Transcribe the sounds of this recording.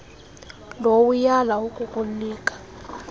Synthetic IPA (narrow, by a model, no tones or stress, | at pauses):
lowujalaukʼukʼulliːkʼḁ